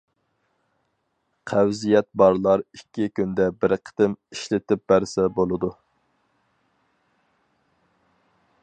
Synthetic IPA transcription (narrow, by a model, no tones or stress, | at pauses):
qʰæwzijɛt̪̚bɑɾlˠɑɾikʲːikʲynd̪ɛbɪɾqʰə̥t̪ɪmiʃlɪt̪ɪp̚bæɾsɛbolˠɨd̪u